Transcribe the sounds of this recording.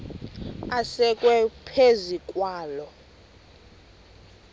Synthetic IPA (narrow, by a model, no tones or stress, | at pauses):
asɛkʼwɛpʰezikʼwaːlɔ